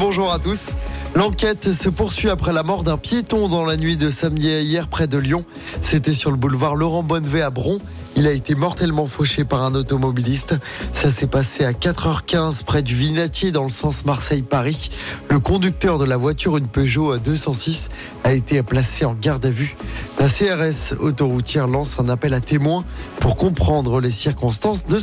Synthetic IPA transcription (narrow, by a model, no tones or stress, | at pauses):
bɔ̃ʒuʁat̪uslɑ̃kʲɛt̪səpuʁsɥiapχɛlamɔʁd̪ɛ̃pjet̪ɔ̃d̪ɑ̃lanɥid̪əsamd̪iaijɛʁpχɛd̪əljɔ̃ | set̪ɛsyʁləbulvaʁlɔʁɑ̃bɔnveabʁɔ̃ | ilaet̪emɔʁt̪ɛlmɑ̃foʃepaʁɛ̃not̪ɔmɔbilist̪ | sasɛpaseakat̪χœʁkʲɛ̃zpχɛd̪yvinat̪jed̪ɑ̃ləsɑ̃smaʁsɛjpaʁiləkɔ̃d̪yk̚t̪œʁd̪əlavwat̪yʁynpøʒoad̪øsɑ̃sis | aet̪eplaseɑ̃ɡaʁd̪avylaseɛʁɛso̰t̪oʁut̪jɛʁlɑ̃sɛ̃napɛlat̪emwɛ̃puʁkɔ̃pχɑ̃d̪ʁəlesiʁkɔ̃st̪ɑ̃sd̪ə